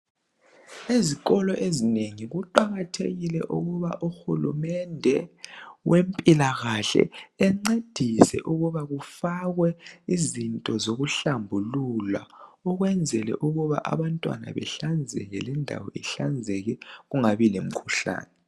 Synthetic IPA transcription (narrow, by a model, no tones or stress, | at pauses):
eziɣɔlɔʔezineŋiɣuǃaɣatʰeɣilɛ̰ʔṵɣuβa̰ʔuxulṵmɛndʱɛwempʼilaɣaɬɛ̰ɛŋ͡ǀed̥ʱisɛ̰ʔuɣuβaɣufaɣwɛizintʼɔzoɣuɬambʱulula̰ɔɣwɛnd͡zʱɛlɛ̰ʔuɣuβa̰ʔa̰βantʼwa̰na̰βɛ̰ɬand͡zʱɛ̰ɣɛ̰lɛndʱa̰wɔ̰ɛɬand͡zʱɛɣɛɣuŋaβilem̩kʰuɬa̰ːnɛ